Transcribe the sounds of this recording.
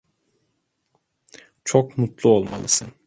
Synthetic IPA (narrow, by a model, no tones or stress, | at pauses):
t͡ʃʰokmut̪lˠuo̞lˠma̰lˠɯsɯn